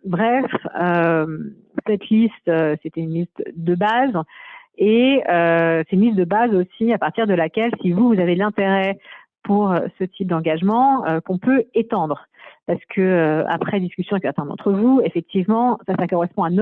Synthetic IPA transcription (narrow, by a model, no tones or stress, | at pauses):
bʁɛføm | sɛt̪ʰlist̪øset̪ɛynlist̪d̪əbaz | eøsɛt̪ynlist̪̚d̪əbazosiapaʁt̪iʁd̪əlakʲɛlsivuvuzavelɛ̃t̪eʁɛ | pʰuʁøsət̪ʰip̚d̪ɑ̃ɡaʒmɑ̃økɔ̃pøet̪ɑ̃d̪ʁ | paʁsə̥kʰəøa̰pχɛd̪iskʲysjɔ̃ɛksɛʁt̪ɛ̃d̪ɑ̰̃t̪χəvuefɛk̚t̪ivmɑ̃sasakɔʁɛspɔ̃an